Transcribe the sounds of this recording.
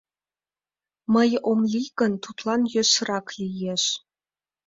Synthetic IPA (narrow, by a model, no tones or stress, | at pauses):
məjomliɣənt̪ut̪lɑnjø̆ʃɾɑklijeʃ